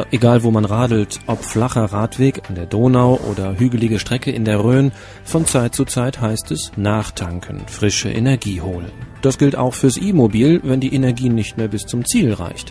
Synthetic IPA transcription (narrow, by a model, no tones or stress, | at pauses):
ʔeɡaːlvoːmanʁaːdl̩tʔɔpflaχɐʁaːtv̥eːkandeːɐdoːnaʊʔo̰ːdɐɦyːɡəlɪɡəʃtʁ̥ɛkəʔɪndeːɐʁøːn | fɔnt͡saɪt̚t͡sut͡saɪthaɪstɛsnaːχtʰaŋkʰən̩fʁ̥ɪʃə̰ʔḛnɛɐɡiːhoːlə̰nd̥asɡ̥ɪlta̰ʊxfyːɐsʔiːmobiːlvɛndiːʔenɛɐɡiːnɪçtmeːɐbɪst͡sʊmt͡siːlʁa̰ɪçt